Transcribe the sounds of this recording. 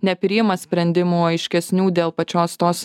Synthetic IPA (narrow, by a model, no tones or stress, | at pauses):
nʲɛpʲɾʲɪjɪmɐsʲpʲɾʲɛnʲd̪ʲɪmuɐɪʃʲkʲɛsʲnʲuːd̪ʲeːlˠpɐt͡ʃʲoːst̪oːs